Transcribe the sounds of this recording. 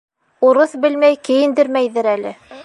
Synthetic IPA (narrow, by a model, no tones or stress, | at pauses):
uɾɤθbɘ̆lmæjkɘ̆jɘ̆nd̪ɘɾmæjðɘɾælɘ